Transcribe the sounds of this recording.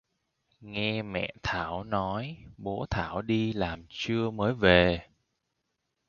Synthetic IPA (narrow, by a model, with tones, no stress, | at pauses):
ŋɛ˧mɛ̰˧˨t̪ʰaː˧˩wnɔ˨˦jɓo˨˦t̪ʰaː˧˩wɗi˧laː˨˩mt͡ɕɨ˧əməː˨˦jve˨˩